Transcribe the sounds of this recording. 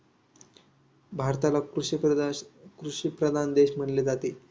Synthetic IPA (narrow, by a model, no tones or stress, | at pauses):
bʱaɾt̪alakɾu | kɾuɕipɾəd̪ʱand̪eɕm̤əɳled͡zat̪e